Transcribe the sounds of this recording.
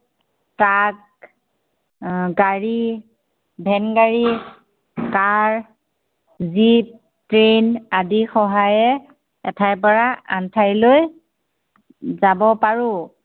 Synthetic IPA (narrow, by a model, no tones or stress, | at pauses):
tak̚ | ɡaɹi | bʱɛnɡaɹi | kaɹ | zip̚ | tɹenadixɔɦajɛ | ɛtʰajp̬ɔɹaʔa̰ntʰajloj | zabɔpaɹʊ